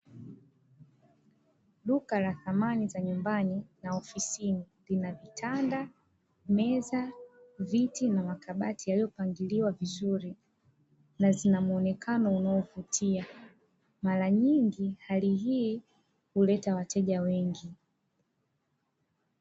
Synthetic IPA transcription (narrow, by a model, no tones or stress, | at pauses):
lukalaθamanizaɲumbaninaɔfisini | linavitʰanda | mɛzavitinamakaɓatʰijaliɔpaŋɡiliwavizuɾi | nazinamuɔnɛkʰanɔunaɔvutʰia | maɾaɲiŋɡihaliɦiː | hulɛtawatɛʄawɛŋɡi